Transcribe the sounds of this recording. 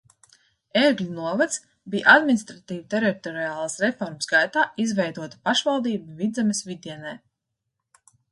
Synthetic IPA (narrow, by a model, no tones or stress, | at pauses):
eːɡlʲunuɔvat̪s | bijʔad̪minist̪ɾat̪iːvt̪eɾit̪ɔɾiaːlˠasɾɛfɔɾmsɡajt̪aːizvɛjd̪uɔt̪ḁpaʃvalˠd̪iːbuvid̪zɛmʲesvid̪iɛnɛj